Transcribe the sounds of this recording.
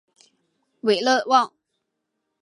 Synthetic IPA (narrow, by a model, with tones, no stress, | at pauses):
we˨˩ɪlə˥˧˨wɑ˥˨ŋ